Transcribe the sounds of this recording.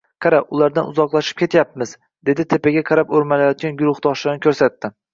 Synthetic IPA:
qʰɑɾaʊlˠaɾd̪anʊzɒqlˠaʃɪ̥p̚kʰʲe̞t̪ʰjapmɪz | d̪e̞d̪ɪt̪ʰe̞paɡʲaqʰɑɾapɵɾmalajɒt̪̚ɡʲanɡʊɾʊχd̪ɒʃlaɾnɪkʰʲɵɾsat̪ːɪ

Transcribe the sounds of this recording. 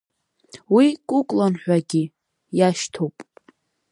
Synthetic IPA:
wikʼukʷʼlanħʷᶣaɡʲi | jaʃtʰowpʼ

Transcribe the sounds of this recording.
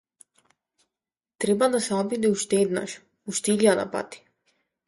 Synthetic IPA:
t̪ɾebad̪aseobid̪iuʃt̪eːd̪na̰ʃ | uʃt̪iʎʲad̪a̰pa̰t̪i̥

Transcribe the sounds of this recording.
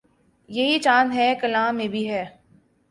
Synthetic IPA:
jɐɦit͡ʃãːnɦɛːkɐlãːmːẽbʱiɦɛː

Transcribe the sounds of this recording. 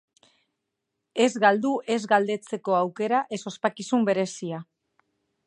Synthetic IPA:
e̞zɣald̪uʔe̞zɡald̪e̞t͡se̞ko̞awke̞ɾaʔe̞so̞spakisumbe̞ɾe̞sia

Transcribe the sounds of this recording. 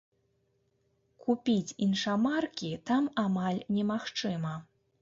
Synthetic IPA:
kupʲit͡sʲinʂamarkʲit̪amamalʲnʲɛmaxt͡ʂɨmɐ

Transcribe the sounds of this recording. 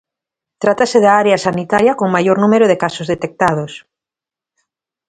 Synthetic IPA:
t̪ɾat̪aseðaaɾeɐsanit̪aɾjɐkoŋmajoɾnumeɾʊðekasozðet̪ek̚t̪að̞os

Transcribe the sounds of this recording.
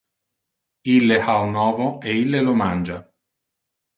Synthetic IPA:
ilːeʔaunɔːvoeilːelomand͡ʒa

